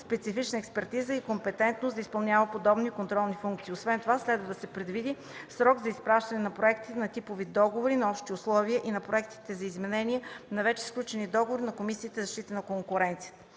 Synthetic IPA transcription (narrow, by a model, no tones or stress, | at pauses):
spɛt̪sifit͡ʃnəɛkspɛɾt̪izəikompɛt̪ɛnt̪nosd̪ɐispɐlˠnʲavəpod̪ɔbnikont̪ɾɔlˠnifuŋkt̪siːosvɛnt̪ovaslɛd̪vəd̪ɐsɛpɾɛd̪vid̪i | sɾɔɡzɐispɾaʃt̪ɐnɛnɐpɾoɛkt̪i̥t̪ɛnɐt̪ipovid̪ɔɡovoɾinɐɔpʃt̪iʊslˠɔviəʔinɐpɾoɛkt̪i̥t̪ɛzɐizmɛnɛniənɐvɛt͡ʃɛ̥sklʲut͡ʃɛnid̪ɔɡovoɾinɐkomisiːt̪ɛzɐʃt̪it̪ənɐkoŋkʊɾɛnt̪sijə̥t̪ə̥